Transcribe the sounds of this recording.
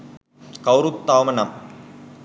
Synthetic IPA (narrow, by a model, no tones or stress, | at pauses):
kɐwɾut̪ːaːmɐnɐm